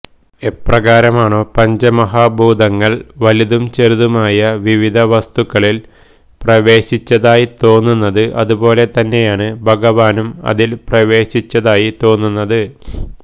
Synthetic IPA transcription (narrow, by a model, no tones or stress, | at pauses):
eprɐɡaːɾɐmaːɳoːpɐɲd͡ʑɐmɐɦaːbʱuːd̪ʱɐŋːɐɭʋɐliðumt͡ɕeɾuðumaːjɐʋiʋid̪ʱɐʋɐst̪ukːɐɭil | prɐʋe̞ːɕit͡ɕːɐðaːjit̪o̞ːnːunːɐðɨʔɐðubo̞ːle̞t̪ɐnːe̞jaːɳɨbʱɐɡɐʋaːnumɐ̰ðilprɐʋe̞ːɕit͡ɕːɐðaːjit̪o̞ːnːunːɐðɨ